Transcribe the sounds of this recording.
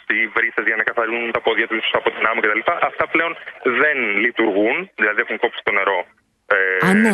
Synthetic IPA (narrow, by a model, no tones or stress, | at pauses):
ivɾisɐzʝɐnɐkɐθɐɾinunt̪ɐpoðʝɐt̪uiso̥sɐpo̞t̪inɐmicet̪ɐlipɐʔɐft̪ɐple̞o̞nðe̞nlit̪uɾɣunðilɐðiexuŋko̞psi̥st̪o̞ne̞ɾo̞ | en